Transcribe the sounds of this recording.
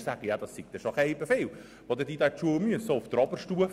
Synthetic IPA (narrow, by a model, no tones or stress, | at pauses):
sæɡ̥əjɑd̥̪ɑsːɪk̚t̪ɛʃokɛɪbefeːl | ʋod̪əd̥̪iːd̪æt͡ʃuəmyəsoʊft̪ɾɑbəɾʃtuə